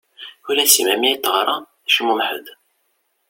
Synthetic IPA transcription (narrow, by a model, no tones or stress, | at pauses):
ulæsimæmit̪ːʁɾˤɑ | ʃmumħə̰d̪